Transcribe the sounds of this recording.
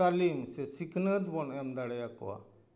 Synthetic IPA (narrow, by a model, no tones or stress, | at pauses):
alimsɛsikʰnəd̪bɔnɛmd̪aɽɛjakɔ̰a̰